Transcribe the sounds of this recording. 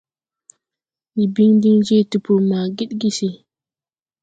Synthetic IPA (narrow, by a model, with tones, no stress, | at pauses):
ni˨bi˦ŋdi˦ŋd͡ʒe˦˨tu˨pu˨ma˨ɡi˦ɗɡi˦si˨